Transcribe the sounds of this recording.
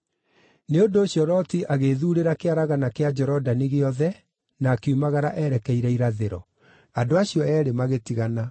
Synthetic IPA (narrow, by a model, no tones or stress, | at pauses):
neondoːɕjɔɾɔtiʔaɣeðuɾeɾakeaɾaɣanakead͡ʒɛɾɔdaneɣeɔðɛ | naːkeumaɣaɾaʔɛɾɛkɛiɾɛiɾaðeɾɔ̰ | andoaɕjɔɛːɾemaɣetiɣana